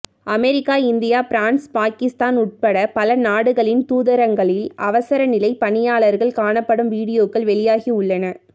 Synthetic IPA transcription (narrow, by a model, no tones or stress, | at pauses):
ɐmɛɾɪkːaːɪnd̪ɪjaːpɪɾaːnspaːkɪst̪aːnʊʈ̚pɐɽɐpɐlɐnaːɽɯɣɐɭɪnt̪uːðɐɾɐŋɡɐɭɪlɐʋɐsɐɾɐnɪlɐɪpɐɳɪjaːɭɐɾɣɐɭkaːɳɐpːɐɽɯmʋiːɽɪjoːkːɐɭʋɛɭɪjaːɣiʊɭːɐnɐ